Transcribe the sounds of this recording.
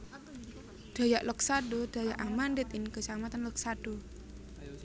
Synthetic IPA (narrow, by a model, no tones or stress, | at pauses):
d̪̥a̤jaʔlɔk̚saɖod̪̥a̤jaʔamandɪt̪ɪŋkəsamat̪anlɔksaɖ̥o